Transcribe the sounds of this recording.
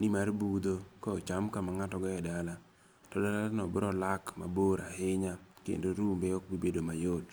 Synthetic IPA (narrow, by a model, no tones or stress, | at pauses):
nimarbud̪okɔot͡ʃamkamaŋatɔɡɔɛdala | tɔdalanɔbɾɔlakma̰boɾahɪɲakḛndoɾumbeɔkbibedomajot